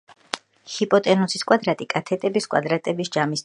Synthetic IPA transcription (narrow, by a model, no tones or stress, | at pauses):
hipʼɔt̪ʼɛnusiskʼwad̪ɾat̪ʼikʼat̪ʰɛt̪ʼɛbiskʼwa̰d̪ɾat̪ʼɛbisd͡ʒamis